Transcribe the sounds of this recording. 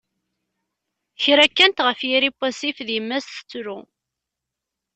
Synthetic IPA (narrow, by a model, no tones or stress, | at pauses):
çɾækːænt̪ʁəfjiɾipːæsifðjəmːæsθə̥t͡sːɾu